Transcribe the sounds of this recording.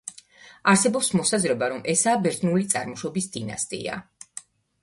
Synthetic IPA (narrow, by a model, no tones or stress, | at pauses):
aɾsɛbɔpsmɔsazɾɛbaɾɔmʔɛsaːbɛɾt̪ʰʼnulit̪sʼa̰ɾmɔʃɔbisd̪ina̰st̪ʼḭa̰